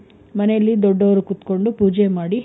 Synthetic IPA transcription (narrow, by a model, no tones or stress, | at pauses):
mɐnɛjɐlːid̪ɔɖːɐʋɐɾukut̪ko̞ɳɖupuːd͡ʒemaːɽi